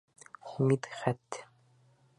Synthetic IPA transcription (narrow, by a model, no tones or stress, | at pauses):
χumit̪χæt̪ː